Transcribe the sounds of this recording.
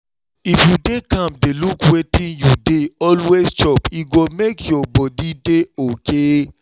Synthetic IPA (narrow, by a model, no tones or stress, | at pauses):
ifjudekãmdelukwetĩnjudeɔlwest͡ʃɔpiɡomekjɔbɔdideoke